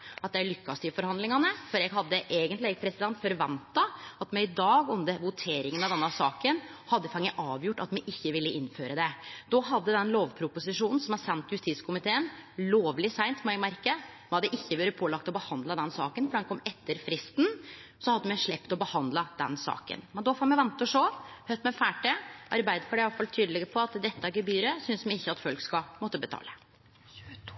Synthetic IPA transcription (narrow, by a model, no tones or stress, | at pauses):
ɑt̪̚d̪ɛæɭʏkːɑst̪ɪfɔɾhɑnd̪lɪŋɑnəfɔɾɛɡɦɑd̪ːəʔeːɡənt̪lɪɛpʰɾɛsɪd̪ɛnt̪fɔɾʋɛnt̪ɑɑt̪mɛɪd̪ɑːɡʉnd̪əɾʋʊt̪ʰeːɾɪŋənɑʋd̪ɛnːɑsɑːkən | hɑd̪ːəfɑŋːəʔɑːʋjʊʈːɑt̪mɛʔɪçːəʋɪlːəʔɪnːføːɾəd̪ɛd̪ɔɦɑd̪ːəd̪ɛnloːʋpʰɾʊpʊsɪʂuːnn̩sɔmæɾsɛnt̪jʉst̪iːskʰʊmɪt̪ʰeːənloːʋlɪsæɪnt̪mɛɪmæɾkə | mɑd̪ɛʔɪçːəbøːɾəpʰoːlɑk̚t̪ɔbəhɑnd̪ləd̪ɛnsɑ̰ːkənfɔɖ̪ɛnkʰɔmːɛt̪ːəɾfɾɪst̪n̩sɔhɑd̪ːəmɛʂɭɛpt̪ɔbəhɑnd̪ləd̪ɛ̰nsɑ̰ːkə̰nmɛnd̪ɔfoːmɛʋɛnt̪ːɔʂoːhœt̪mɛfæːʈəɑɾbæɪd̪əfɔɖɛɑt̪fɑlt̪ʰyːd̪lɛɡəpʰɔɑt̪d̪ɛt̪ːəæɡəbyːɾəsʏnsmɛɪçːəɑt̪fœlkskɑmɔt̪ːəbət̪ʰɑ̰ːlə